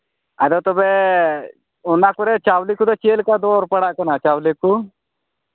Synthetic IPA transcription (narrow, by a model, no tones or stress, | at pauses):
ad̪ot̪obe | ʊnːakʊɾɛt͡ʃaːwlikut̪ɔt͡ʃeːlkad̪oːɾpəɽaʔkənat͡ʃaːwliku